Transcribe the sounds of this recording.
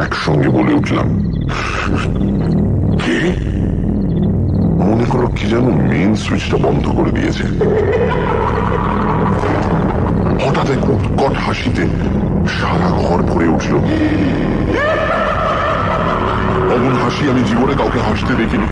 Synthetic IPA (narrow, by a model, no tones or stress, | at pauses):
ɛkʃɔŋɡeboleuʈʰla̰m | ke | monekoɾokʰːid͡ʑanomenswit͡ɕʈabɔnd̪ʱokoɾed̪ḭjḛt͡ɕʰḛ | hɔʈat̪eko | kɔʈhaʃit̪e | ʃaɾaɡʱɔɾbʱoɾeuʈʰlo | t̪ɔbunɦaʃiamid͡ʑibonekawkeɦaʃt̪ed̪ekʰini